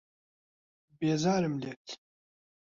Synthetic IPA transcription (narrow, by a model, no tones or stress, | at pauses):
beːzaːɾɨmlet̪ʰ